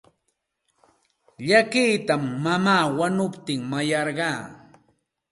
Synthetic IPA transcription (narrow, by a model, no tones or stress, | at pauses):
ʎakɪjt̪amːamaːwanʊpt̪ɪŋmajɑɾɢɑː